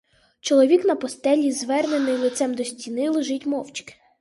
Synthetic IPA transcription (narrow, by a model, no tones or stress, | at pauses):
t͡ʃɔlˠɔʋʲiknɐpɔst̪ɛlʲizʋɛrnenɪjlˠɪt̪sɛmd̪ɔsʲtʲinɪlˠeʒɪtʲmɔwt͡ʃkɪ̥